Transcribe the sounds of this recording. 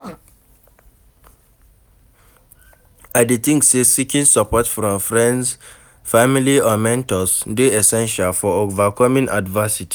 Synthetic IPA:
aditĩŋksesikĩnsapɔtfɹɔ̃mfɹɛ̃nds | familiɔmɛ̃ntɔsdeɛsɛ̃nʃalfɔovakʰɔmĩnʔa̰dvəsiti̥

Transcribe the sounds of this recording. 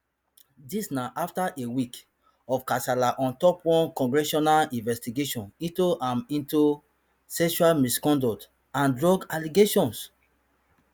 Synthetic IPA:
disnaʔaftaʔewik | ɔfkasalaʔɔ̃ntɔpwɔ̃nkɔ̃ŋɡɹɛʃɔnalĩnvɛstiɡeʃɔ̃nĩtoʔãmĩntu | sɛʃualmiskɔ̃ndɔt | ãndɹɔɡaliɡeʃɔ̃ns

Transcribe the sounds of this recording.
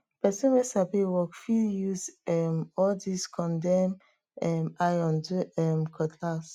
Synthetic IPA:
pɛsɔ̃nwesabewɔkfiljuzɛmɔldiskʰɔ̃ndɛ̃m | ɛmajɔ̃nduɛmkʰɔtʰlas

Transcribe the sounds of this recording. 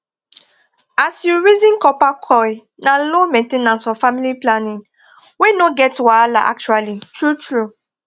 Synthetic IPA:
asjuɹizĩnkɔpakʰɔɪ | nalomẽntenãnsfɔfamiliplanĩŋ | wenoɡɛtwalaʔa̰k̚t͡ʃualitɹutɹu

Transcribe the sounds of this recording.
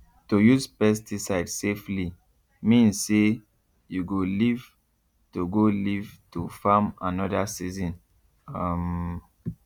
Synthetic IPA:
tojuzpɛstisaɪdsefli | mĩnse | juɡoliv | tuɡolivtufamanɔdasizɔ̃n | am

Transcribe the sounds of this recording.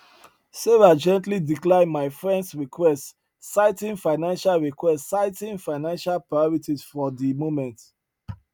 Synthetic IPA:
seɹad͡ʒɛ̃ntlidiklãɪ̃nmaɪfɹɛ̃ndsɹikʰwɛst | saɪtĩŋfaɪnãnʃalɹikwɛstsaɪtĩŋfaɪnãnʃalpɹajɔɹitisfɔdimomɛ̃nt

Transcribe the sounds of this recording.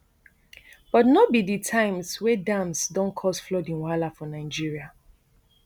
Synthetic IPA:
b̥ɔtnɔbiditʰãɪ̃mswɛdãmsdɔ̃nkʰɔsflɔdĩnwalafɔnaɪd͡ʒiɹia

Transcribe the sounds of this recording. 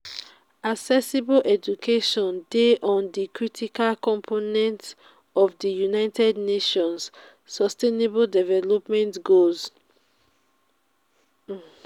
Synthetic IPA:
aksɛsibolʔɛd͡ʒukʰeʃɔ̃ndeʔɔ̃ndikɹitʰikalkɔ̃mpʰonɛ̃nt | ɔvdijunaɪtʰɛdneʃɔ̃ns | sɔsteneboldɛvɛlɔpmɛ̃ntɡoz

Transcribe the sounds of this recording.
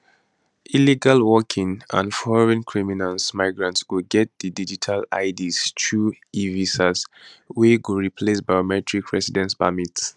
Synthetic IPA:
ʔiliɡalwɔkʰĩŋã̰nfɔɹɛ̃nkʰɹiminalsmaɪɡɹãntswuɡɛt̚didid͡ʒitʰala̰ɪdistʰu | ivisasweɡuɹipʰlesbajomɛtɹikʰɹɛsidɛ̃nsbamits

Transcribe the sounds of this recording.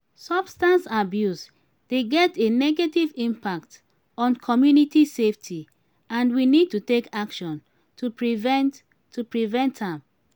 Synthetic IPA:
sɔb̥stãnsabjus | d̥eɡɛtenɛɡetivĩmpak̚t | ɔ̃nkʰɔmjunitiseftʰi | ãndwinid̚tutekakʃɔ̃n | tʰupɹivɛt | tʰːupɹivɛ̃ntãm

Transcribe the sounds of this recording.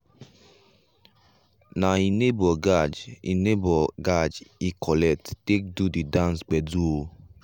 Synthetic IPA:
nainebɔɡad͡ʒḭnebɔɡad͡ʒikʰɔlɛk̚ttek̚dudidãnsɡ͡bɛdu

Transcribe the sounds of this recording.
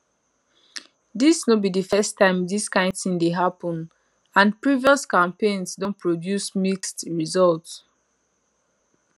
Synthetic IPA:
disnobidəfɛstʰːãɪ̃mdiskãɪ̃ndθĩŋdeɦapə̃n | ãnpɹiviɔskãmpẽnsdõnpʰɹodjusmikstɹizɔlts

